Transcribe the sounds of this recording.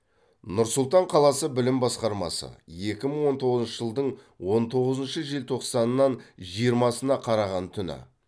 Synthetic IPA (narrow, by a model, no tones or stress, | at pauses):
nʊɾsʊlˠt̪ɑɴqʰɑlˠɑsəbɪlɪmbɑsqɑɾmɑ̰sə̰je̞kʲɪməɴwo̞nt̪ʰo̞ʁəzənʃəʒəlˠd̪əɴ | wo̞nt̪ʰo̞ʁəzənʃəʒelt̪ʰo̞qsɑnənːɑnʒijəɾmɑsənɑqʰɑɾɑʁɑnt̪ʰʏnɪ̰